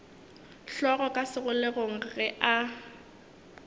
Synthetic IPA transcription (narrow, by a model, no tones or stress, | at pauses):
ɬɔɣɔkʼasɪɣʊleɣoŋ̩ɣɛʔa